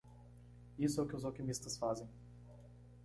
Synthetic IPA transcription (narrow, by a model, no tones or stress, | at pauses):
isʊɛʊkɪʊzokimist̪ɐsfazẽj̃